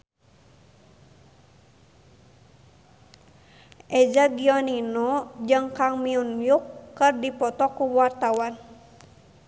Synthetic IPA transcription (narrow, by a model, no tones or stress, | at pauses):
ʔɛd͡ʒaɡiɔninɔd͡ʒɨŋkaŋmiunjukːərdipɔt̪ɔkuwart̪awan